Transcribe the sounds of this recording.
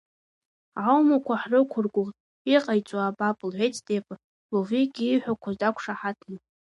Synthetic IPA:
ʕawmakʷʰaħrɨkʷʰʊrɡʷʊʁtʼ | iqʼajt͡sʷʼoabapʼlʕʷejtʰdʼepʼ | loviɡʲiːħʷᶣakʷʰazdakʷʰʂaħatʰni

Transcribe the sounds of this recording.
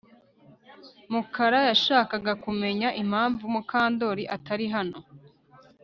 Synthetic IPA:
mukaɾajaʃaːkaɡakume̞ɲaʔim̥haːɱvumukaːndo̞ɾiʔataɾiɦano̞

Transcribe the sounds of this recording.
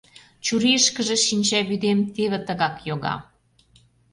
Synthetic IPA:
t͡ɕuɾiəʃkə̆ʒĕʃinʲt͡ɕæβyd̪emt̪eβĕt̪ə̆ɣɑkjoɣɑ̰

